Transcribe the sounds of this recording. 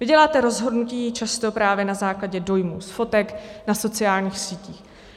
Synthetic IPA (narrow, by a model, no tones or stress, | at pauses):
vɪɟɛlaːt̪ɛɾo̞zɦo̞dnuciːt͡ʃast̪o̞pɾaːvjɛnazaːklaɟɛdo̞jmuːsfo̞t̪ɛknaso̞t͡sɪjaːlɲiːxsiːciːx